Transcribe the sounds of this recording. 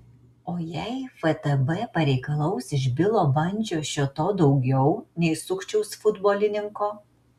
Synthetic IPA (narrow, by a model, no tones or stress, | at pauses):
oːjɛɪfɛt̪ɛbɛpɐɾʲɛɪkɐlˠɐʊsɪʒbʲɪlˠoːbɐnʲˑd͡ʒʲoːʃʲot̪oːd̪ɒʊɡʲɛʊnʲɛɪsʊkt͡ʃʲɛʊsfʊd̪boːlʲɪnʲɪŋkoː